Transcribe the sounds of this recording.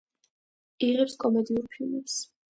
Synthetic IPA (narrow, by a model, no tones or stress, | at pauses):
iʁɛpskʼɔmɛd̪iuɾpʰilˠmɛs